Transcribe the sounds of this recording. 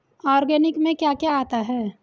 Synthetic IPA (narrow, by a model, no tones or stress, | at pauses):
ɔːɾɡɛːnɪkmẽkjakjaaːt̪aɦɛː